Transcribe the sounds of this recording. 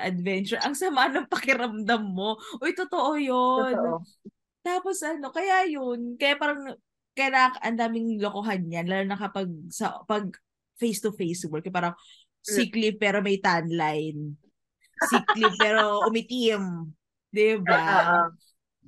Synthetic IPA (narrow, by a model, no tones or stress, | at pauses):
ʔɐd̪vɛnt͡ʃʊɹʔɐŋsɐmanɐŋpɐkɪɾɐmd̪ɐmːo̞ʔojt̪ot̪oʔojon | t̪aːposʔɐno̞kɐjajonkɐjapaːɾɐŋ | kɐjnaʔɐnd̪aːmɪŋlokoɦanɲanlaːlonɐŋkɐpɐɡ̚sɐʔpɐɡ̚ | fejst̪ʊfejswɔlkːɛp̬aːɾɐŋ | siklipɛːɾo̞mɐjt̪anlajn | siklipɛɾoʔʊmɪt̪im | d̪ɪba